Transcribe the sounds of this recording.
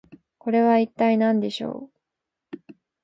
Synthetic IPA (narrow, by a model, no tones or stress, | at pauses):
ko̞ɾe̞βait̪ːainãnd̪e̞ɕo̞̰ː